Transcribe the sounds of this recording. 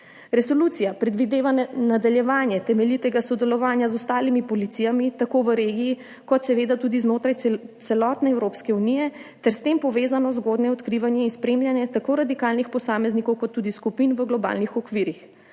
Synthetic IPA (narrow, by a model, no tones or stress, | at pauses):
ɾɛsɔluːt̪sijapɾɛd̪ʋid̪eːʋanad̪aljɛʋaːnjɛt̪ɛmɛlit̪ɛɡasɔd̪ɛlɔʋaːnjazɔst̪aːlimipɔlit̪sijamit̪akoʋəɾeːɡijː | kɔt̪sɛʋeːd̪at̪ud̪iznoːt̪ɾajt̪sɛlɔːt̪nɛɛwɾoːpskɛunijɛt̪ɛɾst̪empɔʋeːzanɔzɡoːd̪nɛɔt̪kɾiʋanjɛinspɾeːmljanjɛt̪akoɾad̪ikaːlnixpɔsaːmɛznikɔwkɔt̪ːuːd̪iskupinʋəɡlɔba̰ːlnixɔkʋiɾix